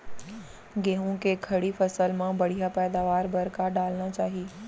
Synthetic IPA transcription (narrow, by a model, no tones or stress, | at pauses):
ɡeːɦũkekʰɐɽifɐsəlmãbɐɽ̤ijapɛːd̪aːʋaːɾbɐɾkaɖaːlñat͡ɕaːɦiː